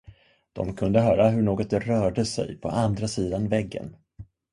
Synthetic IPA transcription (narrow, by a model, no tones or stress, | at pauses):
d̪̥ɔ̰mkʰɵnd̪əɦœːɾaɦɵɳoːɡɔt̪̚d̪ɛɾœːɖəsɛ̰jpʰɔ̰and̪ɾasiːd̪anvɛɡːə̰n